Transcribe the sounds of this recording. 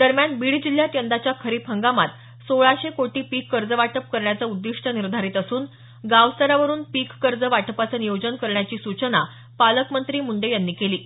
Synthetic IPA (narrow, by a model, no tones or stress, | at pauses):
d̪əɾmjanbiɽid͡ʑil̤ːjat̪jənd̪at͡ɕjakʰəɾiːpʰəŋɡamat̪ | soɭaɕekoʈiːpikːəɾd͡zəʋaʈəp̚kəɾɳjat͡səud̪ːiʂʈəniɾd̪ʱaɾiːt̪əsuːn | ɡaʋst̪əɾaʋəɾuːnpikːəɾd͡zəʋaʈəpat͡sənijod͡ʑənkəɾɳjat͡ɕiːsut͡ɕəna | paləkmənt̪ɾiːmuɳɖəjanːiːkeliː